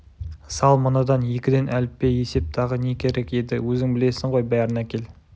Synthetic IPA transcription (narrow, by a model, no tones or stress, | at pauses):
sɑlˠmənɑd̪ɑnje̞kʲɪd̪e̞nʔælɪpːe̞je̞se̞p̚t̪ʰɑʁəne̞kʲʰe̞ɾe̞ke̞d̪ɪwɵzɪŋbɪle̞sɪɴʁo̞jbæɾɪnækʲe̞l